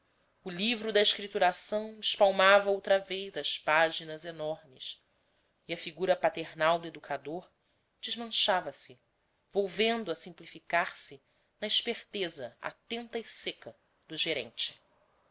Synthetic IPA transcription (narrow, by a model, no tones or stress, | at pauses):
ʊlivɾʊd̪ɐiʃkɾit̪uɾasɐ̃w̃ɪʃpawmavɐowt̪ɾɐvejzɐʃpaʒinɐzenɔɾmɪs | iɐfiɡuɾɐpat̪eɾnawd̪ʊed̪ukʰad̪oɾ | d͡ʒɪzmɐ̃ʃavɐsɪ | vowvẽnd̪ʊɐsĩmplifikaɾsɪ | nɐiʃpeɾt̪ezɐa̰t̪ẽnt̪ɐisekɐ | d̪ʊʒeɾḛ̃nt͡ʃɪ̥